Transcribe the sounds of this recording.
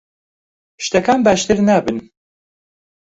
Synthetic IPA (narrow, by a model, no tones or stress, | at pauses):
ʃt̪ɛkʰaːnbaːʃt̪ɨɾnabɨn